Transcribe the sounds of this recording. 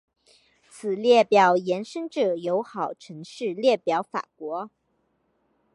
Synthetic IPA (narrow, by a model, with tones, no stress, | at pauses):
t͡sʰɹ̩˨˩ljɛ˥˩pjɑ˨˩ʊjɛ˧˥nʂə˥ŋʈ͡ʂɤ˨˩jo˧˥ʊxɑ˨˩ʊʈ͡ʂʰɤ˧˥ŋʂɻ̩˥˧ljɛ˥˩pjɑ˧˥ʊfa̰˨˩kwɔ˧˥